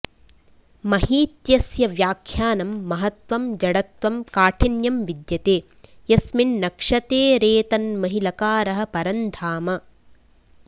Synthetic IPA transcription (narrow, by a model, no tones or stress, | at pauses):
mɐhiːt̪jɐsjɐʋjaːkʰjaːnɐmːɐɦɐt̪ʋɐmd͡ʒɐɽɐt̪ʋɐmkaːʈʰɐnjɐmʋid̪jɐt̪eː | jɐsminːɐkʂɐt̪eːɾeːt̪ɐnmɐɦilɐkaːɾɐɦɐ̆pɐɾɐnd̪ʰaːmɐ